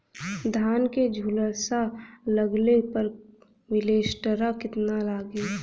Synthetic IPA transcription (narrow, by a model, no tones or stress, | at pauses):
d̪ʱaːnked͡ʒʱuləɾsaləɡlepəɾ | ʋɪleːsʈəɾakɪt̪nalaːɡi